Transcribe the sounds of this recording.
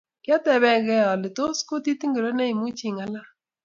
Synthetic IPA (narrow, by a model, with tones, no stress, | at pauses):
kjɔ˦t̪ɛ˨βɛ˦ɡɛ˦ɔ˨lɪ˨t̪o˦sko˦t̪i˦t̪i˦ŋɡe˨ɾo˦nɛ˦i˨mu˦t͡ʃi˨ŋa˨˦la˦